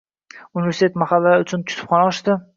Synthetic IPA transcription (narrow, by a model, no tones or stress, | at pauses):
ʊnɪvʲe̞ɾsit̪ʰet̪maχalːaʊt͡ʃʰʊnt̪ʲʰʊ̥t̪ʰʊ̥pχɒnaɒʃt̪ɪ